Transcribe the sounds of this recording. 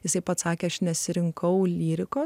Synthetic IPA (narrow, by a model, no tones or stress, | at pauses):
jɪsɐɪpɐt̪sɑːkʲeːɐʃnʲɛsʲɪɾʲɪŋkʰɐʊlʲiːɾʲɪkoː